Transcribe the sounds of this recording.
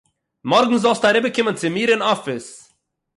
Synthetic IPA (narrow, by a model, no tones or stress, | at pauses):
mɔɾɡŋ̩zɔlˠstaɾɪbəkʰɪmənt͡sɪmiːɾɪnɔfɪs